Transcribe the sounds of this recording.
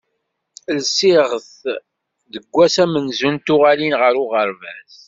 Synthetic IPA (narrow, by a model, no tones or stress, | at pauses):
lsɪʁəθ | ðəɡʷːæsæmənzunt̪ʊʁalinʁəɾʊʁəɾvæs